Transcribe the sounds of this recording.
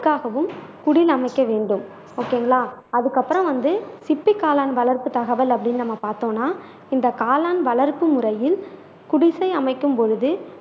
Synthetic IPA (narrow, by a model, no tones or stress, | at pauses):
kːaːɣɐʋɯmkʊɽɪlɐmɐɪkːɐʋeːɳɖɯm | oːkːeːŋɡɐɭaːɐðɯkːɐpːɯɾɐ̃mʋɐnd̪ɯsɪpːɪkːaːlaːnʋɐlɐɾpɯt̪ɐɣɐʋɐlɐpːɐɽɪnːɯnɐmːɐpaːɾt̪õːnːaː | ɪnd̪ɐkaːlaːnʋɐlɐɾpɯmʊrɐjɪl | kʊɽɪsɐɪɐmɐɪkːɯmpɔɻɯðɯ